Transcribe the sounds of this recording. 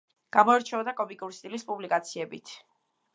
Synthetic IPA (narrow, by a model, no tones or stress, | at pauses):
ɡ̥amɔɛɾt͡ʃʰɛɔd̪akʼɔmikʼuɾist̪ʼilispʼublikʼat̪sʰiɛbit̪ʰ